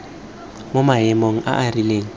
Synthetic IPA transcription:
mʊmaɦɛmoŋ̩ʔa̰ʔarileːŋ̩

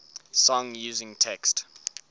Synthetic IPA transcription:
sɔ̃ŋjuːzɪ̃ŋtʰɛkst

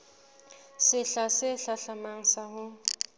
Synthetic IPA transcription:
sɪɬasɪɬaɬamaŋ̩saɦʊ

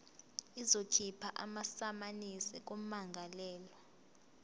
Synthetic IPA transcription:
izotʰipʰaʔamasamanisɛk̬omaŋɡʱalɛːlɔ

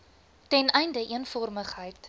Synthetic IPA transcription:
tɛnɛjndəʔiənfɔrməχɦəjt

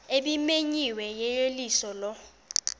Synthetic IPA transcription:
ebimeɲiwɛjejelisɔlɔ

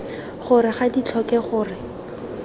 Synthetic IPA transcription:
χʊrɪχadit͡ɬʰɔkɛχʊːrɪ

